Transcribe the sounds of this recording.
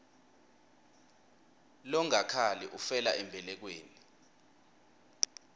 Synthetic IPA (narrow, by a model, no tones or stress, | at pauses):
lɔŋakʰalɛʔufɛla̰ʔɛmbʱɛlɛk̬weːni